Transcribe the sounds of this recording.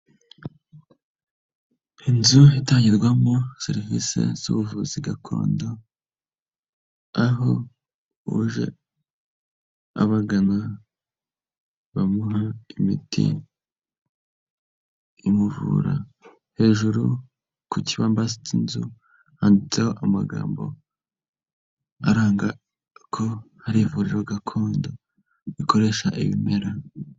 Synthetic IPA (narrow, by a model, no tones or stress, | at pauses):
inzuitaːɲɟiɾɡwamose̞ɾivisḛz̥ṵβuvuziɡakʰo̞̰ːndo̞ | aɦo | uʒe̞̰ | a̰βaɡana | βamuɦaimḭtʰḭ | imuvṵːɾa̰ | he̞ːʒuɾu | kuciβaːmbasit͡sinzṵ | haːndit͡seho̞ʔamaɡa̰ːmbo̞̰ | a̰ɾaːŋɡa | kʰo̞haɾivuɾiɾoɡakʰo̞ːndo | βiko̞ɾe̞ʃaʔiβḭme̞ɾa